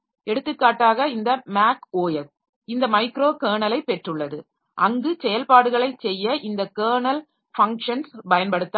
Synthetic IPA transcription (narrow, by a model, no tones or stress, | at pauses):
ɛɽɯt̪ːɯkːaːʈːaːɣɐɪnd̪ɐmaːkoːjɐl | ɪnd̪ɐmɐɪkɾoːkeːɳɐlɐɪpːɛʈrɯɭːɐðɯ | ʔɐŋɡɯsɛjɐlpaːɽɯɣɐɭɐɪt͡ʃsɛjːɐʔɪnd̪ɐkeːɳɐl | fɐŋkʂɐnsbɐjɐnpɐɽɯt̪ːa